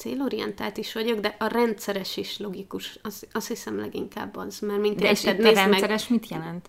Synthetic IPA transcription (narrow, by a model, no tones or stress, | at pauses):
t̪seːloːɾijɛ̰nt̪a̰ːlt̪iʃʋɒɟo̞ɡd̪ɛʔɒrɛnt̪sɛɾɛʃiʃlo̞ɡikuʃɒsɒshisɛmlɛ̰ɡḭŋka̰ːbːɒzmɛrmink̪ɛt̪nɛːzɾɛnmɛsɛɾɛʃmit̪jɛlɛnt̪